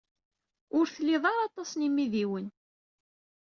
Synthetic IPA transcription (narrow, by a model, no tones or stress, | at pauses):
ʊɾθəlːɪðˤɑɾˤɑt̪ˤːɑsˤnimːiðiwən